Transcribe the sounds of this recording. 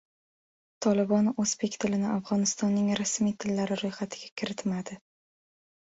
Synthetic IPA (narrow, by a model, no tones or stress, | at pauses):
t̪ʰɒlɪbɒnozbekʲt̪ʰɪlɪnɪafʁɒnɪst̪ɒnːɪŋɾasmijt̪ʰɪlːaɾɪɾojχat̪ʰɪɡʲakʲʰɪɾɪt̪mad̪ɪ